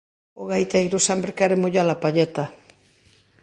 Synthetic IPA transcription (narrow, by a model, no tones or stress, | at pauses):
oɣajt̪eɣɾosɛmpɾɪkɛɾɪmoʎalapaʎɛt̪a